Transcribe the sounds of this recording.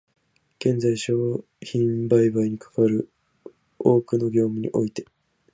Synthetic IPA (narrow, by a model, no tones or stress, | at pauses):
ɡ̥ẽ̞nd͡zaiɕo̞ː | çĩmbaibaiɲ̟ikḁkaβaɾɯ̟ | o̞ːkɯ̟no̞ɡʲo̞ːmɯ̟ɲ̟ḭʔo̞it̪e̞